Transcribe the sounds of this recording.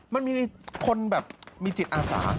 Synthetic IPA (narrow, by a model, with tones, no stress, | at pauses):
ma˧nmiː˧kʰo˧nbɛː˨˩p̚miː˧t͡ɕi˨˩t̪̚ʔaː˧sa̰ː˩˦